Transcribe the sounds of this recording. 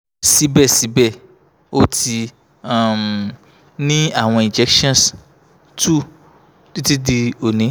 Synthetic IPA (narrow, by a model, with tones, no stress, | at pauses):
si˨˦bɛ˦˨si˨˦bɛ˦˨ | o˦ti˧ | a˨m | nĩ˦a˦˨w̃ɔ̃˧ĩ˨d͡ʒɛ˨˦kʃɔ̃˦˨s | tu˦˨ | ti˦ti˦di˧o˨nĩ˨˦